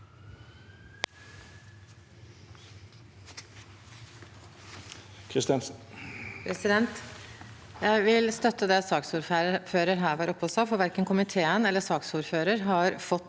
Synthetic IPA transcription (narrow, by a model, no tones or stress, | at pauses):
kʰɾɪst̪ɑn | pʰɾɛsɪd̪ɛnt̪ | jæɪʋɪlst̪œt̪ːəd̪ɛsɑːksuːɾfføːɾəɾɦæːɾʋæːɾɔpʰːɔsɑfɔʋæɾkənkʰʊmɪt̪ʰeːənɛlːəsɑːksuːɾføːɾəɾɦɑɾfɔt̪ː